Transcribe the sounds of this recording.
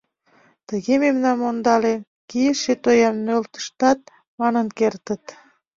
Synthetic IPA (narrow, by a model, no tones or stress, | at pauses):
t̪əɣememnɑnmond̪ɑle | kijəʃet̪ojɑmnølt̪ə̥ʃt̪ɑt̪̚ | mɑnənkert̪ə̆t̪